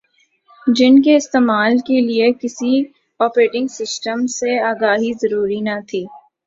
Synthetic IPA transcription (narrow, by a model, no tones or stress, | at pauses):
d͡ʒɪnkeɪst̪eːmaːlkeliekɪsi | ɔːpɾeːʈɪ̃ŋɡsɪsʈəmseaːɡaːɦizɐɾuːɾinat̪ʰiː